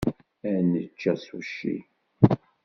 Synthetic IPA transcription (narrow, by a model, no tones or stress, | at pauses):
ænət͡ʃːæsuʃḭ